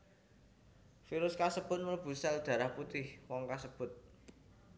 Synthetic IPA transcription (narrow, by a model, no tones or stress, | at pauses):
fiɾʊskasəb̥ʊ̤t̪̚məlb̥ṳsɛld̪̥ä̤ɾahput̪ɪhwɔŋkasəb̥ʊ̤t̪̚